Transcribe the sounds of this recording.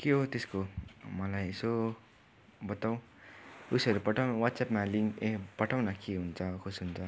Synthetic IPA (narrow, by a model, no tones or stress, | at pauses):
keɦot̪eskomʌlajeso | bʌt̪aw̃ | usʌɾupʌʈʰawnwat̪sapmaliŋepʌʈʰawnʌkeɦunt͡sʰʌkʰosɦunt͡sʰʌ